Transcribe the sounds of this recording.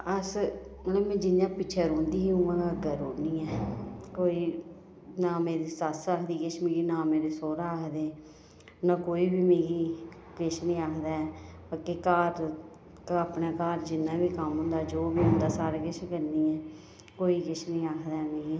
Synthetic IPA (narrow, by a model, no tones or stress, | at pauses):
əsnɛ̃ːmɛ̃ːd͡ʒɪnjãːpɪːt͡ʃʰɛːɾõːnd̪iːɦũːãːɡaɡəɾoːniːɛːkoːiː | naːmeːɾiːsəsaːkʰd̪iːkɪt͡ʃʰmẽːɡiːnãːmeːɾeːsoːɾaːəkʰd̪eː | nãːkoːiːbiːmẽːɡiː | kɪt͡ʃʰnĩːaːkʰd̪aːɛːbəkeːkaːɾ | aːpnaːkaːɾd͡ʒɪnːãːbiːkəmɦʊ̃nd̪aːd͡ʒoːbiːɦʊ̃ːnd̪aːsaːɾaːkɪt͡ʃʰkəɾniːɛː | koːiːkɪʃnĩːaːkʰd̪aːɛmẽːɡiː